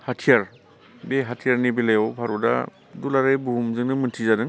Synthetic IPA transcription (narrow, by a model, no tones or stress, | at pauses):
hatʰijaɾ | beɦatʰijaɾnibelajawpʰaɾuda̰ | dulaɾajbuɦumzɯŋnɯmɯntʰizadɯŋ